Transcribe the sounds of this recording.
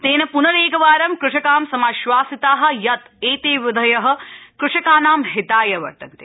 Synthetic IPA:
t̪eːnɐpunɐɾeːɡɐʋaːɾɐmkɾʊʂɐkaːmsɐmaʃʋaːsit̪aːɦɐ̆jɐt̪ | eːt̪eːʋɪd̪ʱɐjɐɦɐ̆kɾuʂɐkaːnaːmɦɪt̪aːjɐʋɐ̰ɾt̪ɐnt̪e̥ː

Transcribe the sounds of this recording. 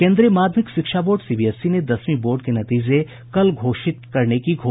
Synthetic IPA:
kẽːnd̪ɾiemaːd̪ʱmɪkʃɪkʃaboːɾɖsiːbiɛsːined̪ɐsmiboːɾɖkenɐt̪iːd͡ʒe | kɐlɡʱoːʃɪt̪kɐɾnekiɡʱo

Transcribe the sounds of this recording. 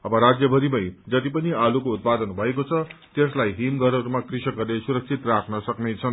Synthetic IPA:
ʌbʌɾad͡zjʌbʱʌɾimʌjd͡zʌt̪ipʌnialukout̪̚pad̪ʌnbʱʌekot͡sʰʌt̪eslajɦimɡʱʌɾʌɾumakrisʌkʌrlesuɾʌk̚t͡sʰit̪rakʰnʌsʌknet͡sʰʌn

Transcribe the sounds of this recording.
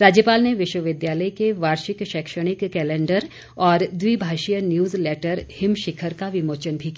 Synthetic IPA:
ɾaːd͡ʒjəpaːlneʋɪʃwəʋɪd̪jaːləikeʋaːɾʃɪkʃɛːkʃəɽ̃ɪkːɛːlẽːɳɖəɾ | ɔːɾd̪wiːbʱaːʃijənjuːzleːʈəɾhɪmʃɪkʰəɾkaʋɪmoːt͡ʃənbʱiki

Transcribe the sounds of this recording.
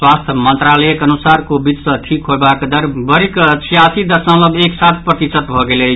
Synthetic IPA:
swast̪ʰmə̃nt̪ɾalɛekənusaɾkobit̪sə̃ʈʰikɦoebakd̪əɾbəɾiksijasid̪əɾsə̃ləbeksat̪ʰpɾət̪isət̪bʱɔɡele

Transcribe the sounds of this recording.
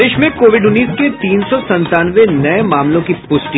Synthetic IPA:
eːʃmẽkoːʋɪɖʊnːiːsket̪iːnsɔsɐ̃nt̪aːnʋenɐemaːmlõkipʊsʈi

